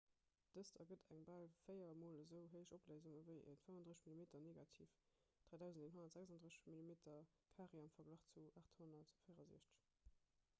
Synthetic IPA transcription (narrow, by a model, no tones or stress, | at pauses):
d̥əstʰɐ̰ɡədæŋbalfəɪɐmoːləzəʊɦəɪʃopləzuŋəvəɪʔə̰tfəmvɑndʁəzəʃmilimeːtʰɐneːɡatʰḭːf | d̥ʁaːdæʊzəndeːnɦonɐtz̥ækzɑndʁəʃmilimeːtʰɐ | kʰaːʁeɑmfɐɡlaːχt͡suʔaːχthonɐtfəjʁɐzḭəʃtəʃ